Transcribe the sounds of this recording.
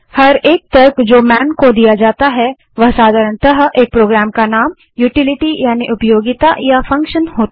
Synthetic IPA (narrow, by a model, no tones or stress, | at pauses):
hɐɾeːk̚t̪ɐɾkd͡ʒoːmɛːnkod̪ijad͡ʒaːt̪aɦɛ | ʋɐɦsaːd̪ʱaːɾəɳ̃t̪ɐɦʔeːk̚pɾoːɡɾaːmkanaːm | juːʈɪlɪʈijaːniʔʊpjoːɡɪt̪ajafɐ̃ŋkʃənhoːt̪